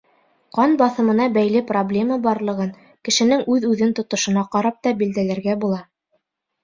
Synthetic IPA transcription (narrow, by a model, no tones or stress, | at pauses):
qɑnbɑθɤ̆mɤ̆nɑbæjlɘproblʲe̞mɑbɑɾlˠɤ̆ʁɤn | kɘ̆ʃɘ̆nɘŋʉðʉðɘnt̪ŏt̪ŏʃŏnɑqɑɾɑp̚t̪ɑbild̪ælæɾɡæbulˠɑ